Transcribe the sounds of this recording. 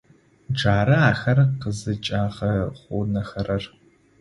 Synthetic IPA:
d͡ʒaːɾɐaːxɐrqəzɨt͡ʃʼaːʁɐχʷʊnɐxɐrɐr

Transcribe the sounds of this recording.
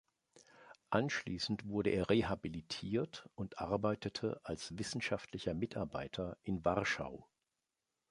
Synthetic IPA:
ʔanʃlḭːsn̩tv̥ʊɐɾəʔeːɐʁehabilitʰiːɐtʊntʔaɐbaɪtətʰəʔalsvɪsn̩ʃaftʰlɪçɐmɪtʰaɐba̰ɪtʰɐʔɪnvaʁʃa̰ʊ

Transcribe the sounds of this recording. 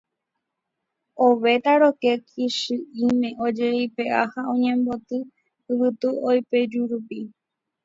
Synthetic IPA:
oʋe̞t̪aɾo̞kekʰiʃɨimẽ̞ʔod͡ʒeipe̞ʔahaõɲẽ̞mbo̞t̪ɨ | ɨwɨt̪uojpe̞d͡ʒuɾupi

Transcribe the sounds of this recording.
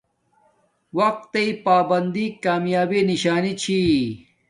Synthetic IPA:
wɐq̚t̪eipaːbɐnd̪ikaːmjaːbiniɕaːnit͡ɕʰi

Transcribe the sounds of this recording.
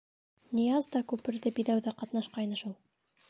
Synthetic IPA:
nʲijɑzd̪ɑkʉpɘ̆ɾðɘbiðæwðæqɑt̪nɑʃqɑjnɤʃulˠ

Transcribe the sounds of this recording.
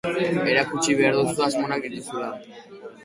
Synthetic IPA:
eɾakut͡ʃiβe̞aɾðowsuazmonak̚d̪it̪usula

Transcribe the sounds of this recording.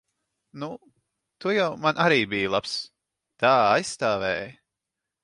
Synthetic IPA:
nu | t̪ujawmanʔaɾiːbijlˠaps | t̪aːajsːt̪aːvɛːj

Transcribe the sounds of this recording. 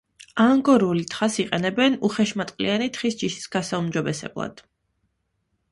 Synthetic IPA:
aŋɡɔɾulit̪ʰχasiqʼɛnɛbɛnuχɛʃmat̪ʼqʼlḭanit̪χisd͡ʒiʃi̥sɡ̥asaumd͡ʒɔbɛsɛ̰blˠa̰d̪̥

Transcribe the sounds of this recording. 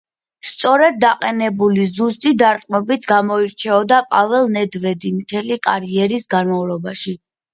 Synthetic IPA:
st̪sʼɔɾɛd̪̚ːaqʼɛnɛbulizust̪ʼid̪aɾt̪ʼmɔbit̪ʰɡamɔiɾt͡ʃʰɛɔd̪apʼavɛlˠnɛd̪vɛd̪imt̪ʰɛlikʼaɾiɛɾisɡanmavlˠɔbaʃi

